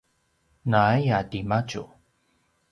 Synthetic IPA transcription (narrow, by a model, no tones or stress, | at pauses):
najadimat͡ʃṵ